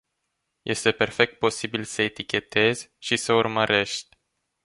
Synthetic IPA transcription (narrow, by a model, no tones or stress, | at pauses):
jʔe̞st̪e̞pe̞rfe̞k̚t̪̚po̞sibilsəet̪ikʲe̞t̪e̞zʲʃisəurməɾe̞ʃt̪ʲ